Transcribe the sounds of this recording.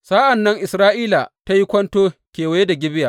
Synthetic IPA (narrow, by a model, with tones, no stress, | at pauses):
saː˦ʔa˨nːɐ˦ŋʔɪ˨sɾaː˦ʔiː˦la˨ta˦ji˦kʷɐ˦ntoː˦kʲeː˨wɐ˨˦je˦da˨ɡʲɪ˦bɪ˦jaː˨